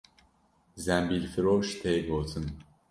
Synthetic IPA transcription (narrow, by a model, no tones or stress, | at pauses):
zæmbilʲfiɾoʃt̪ʰɛːɡot̪ʰɨn